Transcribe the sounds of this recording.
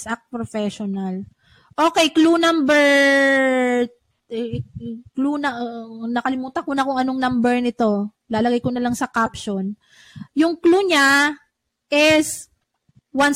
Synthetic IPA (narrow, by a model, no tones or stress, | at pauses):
sʔak̚pɾofɛʃonal | ʔo̞ːkɛjklunambɛɹ | klunɐnɐkɐlɪmuːt̪ɐkʊnɐkʊŋɐnoŋnambɛɹnɪt̪o̞ | laːlɐɡajkonɐlaŋsɐkapʃon | jʊŋkluɲa | ʔɛs | wan